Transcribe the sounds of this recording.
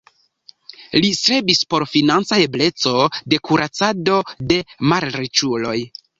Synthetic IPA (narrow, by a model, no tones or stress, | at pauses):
lisɾe̞bispo̞ɾfinant͡sae̞ble̞t͡so̞de̞kuɾʔat͡sado̞de̞maɾɾet͡ʃulo̞j